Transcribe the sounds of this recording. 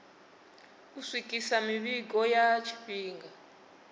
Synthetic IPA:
kuswikʼisamiβikɔjat͡ʃʰi̥ɸiːŋɡa

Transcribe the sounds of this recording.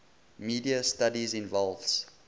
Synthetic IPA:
miːdiəstadizĩnvɔlˠvs

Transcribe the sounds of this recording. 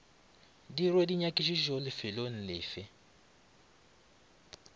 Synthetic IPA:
dirwediɲakʼiʃiʒolɪfɪlon̩lɪːfɪ

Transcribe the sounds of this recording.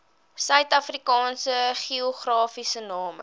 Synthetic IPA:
sœɥtɐfrikɑːnsəχioχrɑːfisənɑːmə̰

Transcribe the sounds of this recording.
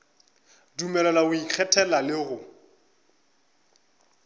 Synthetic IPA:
dumɛlɛlaʊik͡xʰɛtʰɛlalɪɣʊ

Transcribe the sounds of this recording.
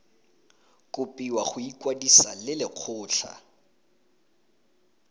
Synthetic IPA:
kʼʊpʼiwaχʊikʼwadisa̰lɪlɪq͡χʰʊːɬʰa̰

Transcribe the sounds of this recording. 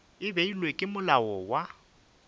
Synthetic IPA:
ɪbeilwekʼɪmʊlaɔwa

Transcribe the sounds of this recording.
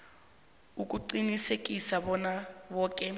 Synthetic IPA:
ukʼuǀinisekʼisabɔnabɔːkʼɛ

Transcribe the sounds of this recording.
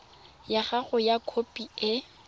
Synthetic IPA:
jaχaɣʊjakʰopʼiɪ

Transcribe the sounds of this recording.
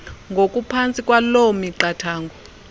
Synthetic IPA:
ŋɡʱokʼupʰant͡sʼikʼwalomiǃatʰaːŋɡʱɔ

